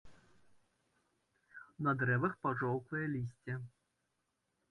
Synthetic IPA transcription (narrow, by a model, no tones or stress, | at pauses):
nɐd̪ɾɛvɐxpaʐɔwkvɐjɛlʲisʲt͡sʲɛ